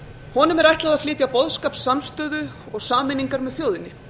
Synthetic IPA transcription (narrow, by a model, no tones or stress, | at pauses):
hɔnʏmɛɾajht̪laðaðflɪːt̪japɔðskaːpsːamst̪œːðʏ | ɔɣsaːmɪniŋkaɾmɛðθjowðɪnɪ